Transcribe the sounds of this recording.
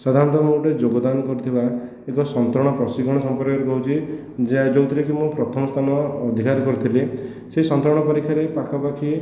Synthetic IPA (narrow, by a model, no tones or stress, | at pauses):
sad̪ʱaɾɔnt̪ɔmuʈed͡ʒoɡɔd̪anɔkɔɾit̪ʰiba | ekɔsɔnt̪ɾɔɽ̃ɔpɾɔsiɡʱɔɽ̃ɔsɔmpɔɾkɔɾekɔɦut͡ʃʰi | d͡ʒed͡ʒowt̪iɾekʰimũpɾɔt̪ʰɔmɔst̪ʰanɔːd̪ʱikaɾkɔɾit̪ʰile | sesɔnt̪ɾɔɽ̃ɔpɔɾikʰːjaɾepakʰɔpakʰi